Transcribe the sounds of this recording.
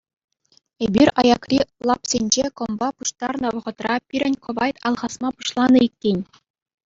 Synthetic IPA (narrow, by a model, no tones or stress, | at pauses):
ebʲirʲɑjɑkrʲilˠɑpsʲenʲd͡ʑekɤ̆mbɑpuʂt̪ɑrnɤ̆ʋɤ̆ʁɤ̆t̪rɑpʲiɾʲɘ̆nʲkɤ̆ʋɑjt̪ɑlˠʁɑsmɑpuɕlˠɑnɤ̆ikʲːenʲ